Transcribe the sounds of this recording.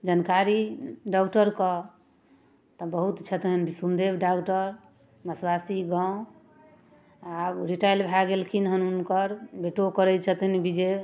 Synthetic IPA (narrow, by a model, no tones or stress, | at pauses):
d͡ʒənkaɾiɖakʈəɾkɔ | t̪ɔbəɦut̪t͡ʃʰət̪ɦənbisund̪ebɖakʈəɾ | məswasiɡãʊ̃ | abɾiʈajlbʱaɡelkʰinɦənunkəɾbeʈokəɾɛt͡ʃʰət̪ɦənbid͡ʒe